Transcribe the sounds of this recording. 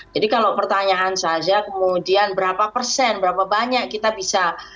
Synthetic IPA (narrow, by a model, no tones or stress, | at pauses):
d͡ʒadikalapərt̪aɲaʔːnsad͡ʒakəmudianbəɾapapərsɛnbəɾapabaɲakkːit̪abisa